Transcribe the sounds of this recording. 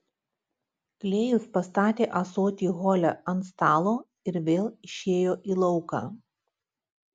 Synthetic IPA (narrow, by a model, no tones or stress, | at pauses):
klʲeːjʊspɐst̪ɑːt̪ʲeːʔɐsoːt̪ʲiːɣoːlʲɛɐnt̪st̪ɑːlˠoː | ɪɾʋʲeːlˠɪʃʲeːjoːʔiːlˠɒʊkɑ̰ː